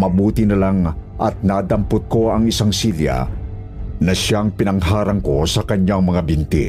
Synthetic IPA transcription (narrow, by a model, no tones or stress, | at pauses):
mɐbuːt̪ɪnɐlaŋʔɐ̰t̪̚naːd̪ɐmpʊt̪̚ko̞ɐŋɪsaŋsilja̰ | nɐʃaŋpɪnɐŋɦaːɾɐŋko̞sɐkɐɲaŋmɐŋabɪnt̪i